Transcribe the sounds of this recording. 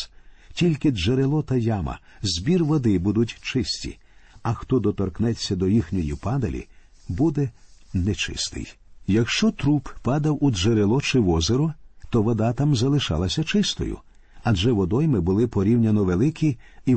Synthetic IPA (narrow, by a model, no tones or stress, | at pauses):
tʲilʲkɪeɾelˠɔt̪ɐjamɐ̰zʲbʲirʋɔd̪ɪbud̪ʊtʲt͡ʃɪsʲtʲḭ | ɐxt̪ɔd̪ɔt̪ɔrknɛt͡sʲːɐd̪ɔjixnʲɔjipɑd̪ɐlʲḭ | bud̪ɛnɛt͡ʃɪ̰st̪ɪ̰j | jɐkʃt͡ʃɔt̪ɾuppɑd̪ɐwueɾelˠɔt͡ʃɪʋɔzeɾʊt̪ɔʋɔd̪at̪amzɐlˠɪʃɑ̰lˠɐsʲɐt͡ʃɪst̪ɔ̰jʊ̰ | ɐd͡ʒɛʋɔd̪ɔjmɪbʊlˠɪpɔɾʲiwnʲɐnɔʋelˠɪkʰʲii